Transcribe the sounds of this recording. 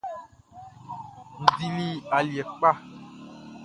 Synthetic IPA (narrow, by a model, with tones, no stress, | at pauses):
n̩˨di˨li˦a˨ljɛ˨k͡pa˦˨